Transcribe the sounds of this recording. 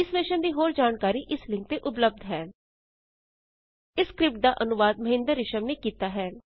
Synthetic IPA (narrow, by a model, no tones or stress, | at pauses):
ɪsʋeːʃənd̪iːɦoːɾd͡ʒaːnkaːɾiːʔɪslɪ̃ŋk̚t̪eːʔʊp̬ləb̚d̪ʱɦɛː | ɪskɾɪp̚ʈ̚d̪aːʔənʊʋaːd̪̚məɦɪ̃nd̪əɾːɪʃəmneːkiːt̪aːɦɛː